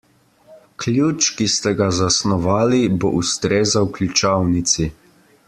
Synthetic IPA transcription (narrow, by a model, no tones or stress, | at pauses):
klʲjuːt͡ʃkist̪ɛɡazasnɔʋaːlibo̰ʔust̪ɾeːzawklʲut͡ʃawnit̪si